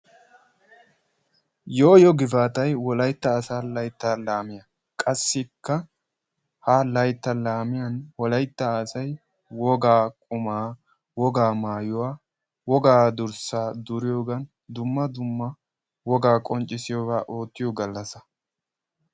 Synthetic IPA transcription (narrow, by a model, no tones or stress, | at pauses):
joːjɔɡɪfaːt̪ɐjwɔlɐjt̪ːɐːsaːlɐjt̪ːaːlaːmɪjɐ | kʼɐsːɪkːɐ | halɐjt̪ːɐlaːmɪjɐnwɔlɐjt̪ːɐːsɐj | wɔɡaːkʼʊmaː | wɔɡaːmaːjʊwaː | wɔɡaːd̪ʊɾsaːd̪ʊɾɪjoːɡɐn | d̪ʊmːɐd̪ʊmːɐ | wɔɡaːkʼɔnt͡ʃʼːɪsɪjɔːbaːʔoːt̪ːɪjɔɡɐlːɐsɐ